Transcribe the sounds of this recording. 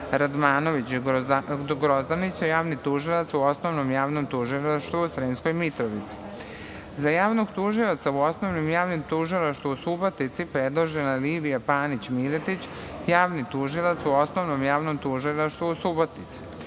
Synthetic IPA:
ɾad̪maːno̞ʋit͡ɕ | ɡɾozd̪anit͡ɕajaːʋnit̪uʒilˠat̪suo̞snoʋnomjaːʋnomt̪uʒilaʃt̪ʋuusɾiːnskojmit̪ɾoʋit̪si̥ | zajaːʋnoɡt̪uʒilot̪sauo̞snoʋnimjaːʋnimt̪uʒilˠaʃt̪ʋuusubot̪nit̪sipɾed̪lˠoʒenaliːʋijapaːnit͡ɕmilet̪it͡ɕ | jaːʋnit̪uʒilˠat̪suo̞snoʋnomjaːʋnomt̪uʒilˠaʃt̪ʋuusubot̪nit̪si̥

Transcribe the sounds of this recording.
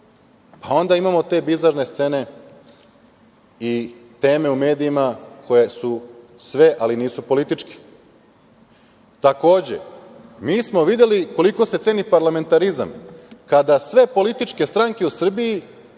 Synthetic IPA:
pao̞nd̪aimamo̞t̪e̞bizaɾne̞st̪se̞ne̞ | it̪e̞ːme̞ume̞ːd̪iimakʰo̞je̞su | sʋe̞ʔaliniːsupo̞lit̪it͡ʃke̥ | t̪ako̞ːd͡ʑe̞̰ | miːsmo̞ʋid̪je̞liko̞liko̞set̪e̞ːnipaɾlame̞nt̪aɾiza̰mkad̪asʋe̞po̞lit̪it͡ʃke̞st̪ɾaŋke̞usr̩bii

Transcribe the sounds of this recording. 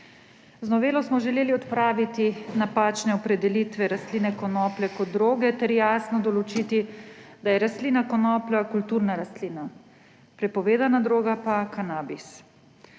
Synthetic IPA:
znɔʋeːlɔsmɔʒɛleːliɔt̪pɾaːʋit̪inapaːt͡ʃnɛɔpɾɛd̪ɛlit̪ʋɛɾast̪liːnɛkɔnɔːplɛkɔd̪̚d̪ɾoːɡɛt̪ɛɾjaːsnɔd̪ɔlɔt͡ʃit̪id̪ajɛɾast̪liːnakɔnɔːplakult̪uːɾnaɾast̪lina | pɾɛpɔʋeːd̪anad̪ɾoːɡapakanaːbis

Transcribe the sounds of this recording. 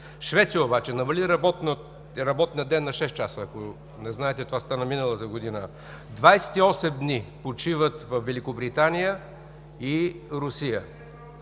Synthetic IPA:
ʃvɛt̪sijəobat͡ʃɛnɐmɐliɾɐbɔt̪n | ɾɐbɔt̪nijəd̪ɛnːɐʃɛst̪t͡ʃasəːko | nɛznaɛt̪ɛt̪ovast̪anəminəlˠət̪əɡod̪inə | d̪vajsɛ̥t̪iɔsɛmd̪nipot͡ʃivət̪vɐfvɛlikobɾit̪anijə | iɾʊsijə

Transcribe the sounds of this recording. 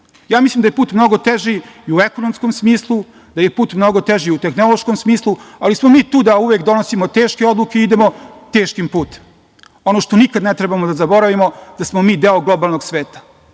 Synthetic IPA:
jaːmislimd̪ajepuːt̪mno̞ɡo̞t̪eʒiːuekonomskomsmiːslˠu | d̪̥ajepuːt̪mno̞ɡo̞t̪eʒiut̪e̞xno̞lˠo̞ʃkomsmiːslˠualismo̞miːt̪uːd̪auʋekd̪o̞nosimot̪eːʃke̞o̞d̪lˠukeiid̪emo̞t̪e̞ːʃkimpuːt̪e̥m | o̞noʃt̪o̞nikad̪net̪ɾɛbamod̪azabo̞ɾaʋimo̞d̪̥asmomiːd̪eːoɡlˠo̞balˠno̞ɡsʋeːt̪ḁ

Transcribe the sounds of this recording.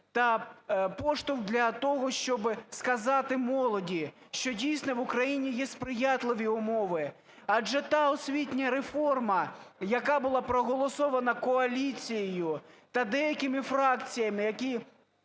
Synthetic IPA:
t̪ɐpɔʃt̪ʊwd̪lʲɐt̪ɔɦɔʃt͡ʃɔbɪskɐzɑt̪ɪmɔlˠɔdʲi | ʃt͡ʃɔdʲijsnɔʋʊkɾɐjinʲijɛspɾɪjɑt̪lˠɪʋʲiʊmɔʋɪ | ɐd͡ʒɛt̪ɑɔsʲʋʲitʲnʲɐɾefɔrmɐjɐkɑbʊlˠɑpɾɔɦɔlˠɔsɔʋɐnɐkɔɐlʲit͡sʲijɪjʊt̪ɐd̪ɛjɐkɪmɪfɾɑkt͡sʲijɐmɪjɐkʲi

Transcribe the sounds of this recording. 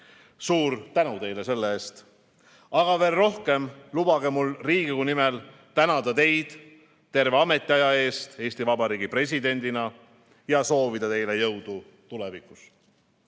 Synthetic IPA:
suːɾt̪ænut̪e̞jle̞se̞lːeeːst̪ | ɑɡ̥ɑve̞ːlro̞hke̞mlub̥ɑɡ̥e̞mulriːɡ̥ikunimɛl | t̪ænɑd̪ɑt̪e̞jd̪̥ | t̪ːe̞ɾve̞ɑme̞t̪ʲːˑiɑjɑe̞ːst̪e̞ːsʲt̪ivɑbɑɾiːɡipre̞s̬ʲid̪e̞nʲd̪inɑ | jɑso̞ːvid̪̥ɑt̪e̞jle̞jɤwd̪̥u | t̪ulɛvikːˑus

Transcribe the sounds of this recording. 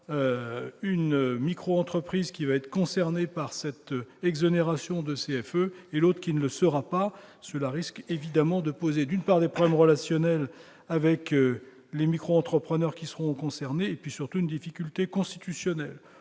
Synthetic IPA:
øynmikχoɑ̃t̪χəpχizkʲivaɛt̪χə̥kɔ̃sɛʁnepaʁsɛt̪ɛɡzɔneʁasjɔ̃d̪əseɛføelot̪χəkʲinələsəʁapasəlaʁiskevid̪amɑ̃d̪əpozed̪ynpaʁd̪epχɔblɛmʁəlasjɔnɛl | avɛk | lemikχoɑ̃t̪χəpχənœʁkʲisəʁɔ̃kɔ̃sɛʁneːpɥisyʁt̪uynd̪ifikʲylt̪ekɔ̃st̪it̪ysjɔnɛl

